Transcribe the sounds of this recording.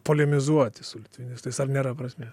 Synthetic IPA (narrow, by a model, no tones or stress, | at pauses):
polʲɛmʲɪzuɔt̪ʲɪsʊlʲɪt̪ʲʋʲɪnʲɪst̪ɐɪsɐɾnʲeːɾɐpɾɐsʲmʲe